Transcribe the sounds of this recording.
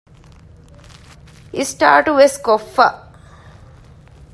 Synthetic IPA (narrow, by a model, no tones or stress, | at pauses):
isʈa̰ːʈuʋeskofːɐ̰ʔ